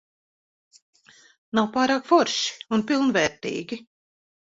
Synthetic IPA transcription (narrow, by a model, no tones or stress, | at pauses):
nawpaːɾaːkfɔɾʃi̥unpilˠnvɛːɾt̪ḭːɡʲi